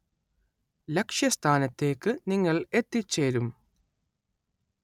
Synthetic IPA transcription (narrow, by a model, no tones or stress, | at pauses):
lekʂjɐst̪ʰaːnɐt̪ːe̞ːkːɨniŋːɐɭe̞t̪ːit͡ɕːe̞ːɾum